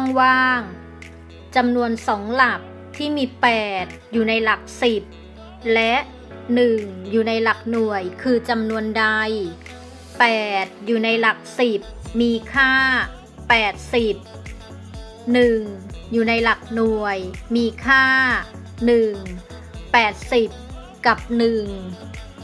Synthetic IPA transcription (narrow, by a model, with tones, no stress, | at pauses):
t̪ɔ˥˩ŋwaː˥˩ŋ | t͡ɕa˧mnu˧ənsɔː˩˦ŋla˨˩k̚ | t̪ʰːiː˥˩miː˧pɛː˨˩t̪̚juː˨˩na˧jla˨˩k̚si˨˩p̚ | lɛ˦˥ʔ | nɯ˨˩ŋjuː˨˩na˧jla˨˩k̚nu˨˩əjkʰɯː˧t͡ɕa˧mnu˧ənda˧j | pɛː˨˩t̪̚juː˨˩na˧jla˨˩k̚si˨˩p̚miː˧kʰaː˥˩ | pɛː˨˩t̪̚si˨˩p̚ | nɯ˨˩ŋjuː˨˩na˧jla˨˩k̚nu˨˩əjmiː˧kʰaː˥˩ | nɯ˨˩ŋː | ɛː˨˩t̪̚si˨˩p̚ | ka˨˩p̚nɯ˨˩ŋ